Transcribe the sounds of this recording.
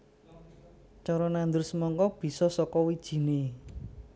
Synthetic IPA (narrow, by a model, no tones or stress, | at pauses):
t͡ʃɔɾɔnand̪ʊrsəmɔŋkɔb̥i̤sɔsɔkɔwid̥ʒ̥i̤ne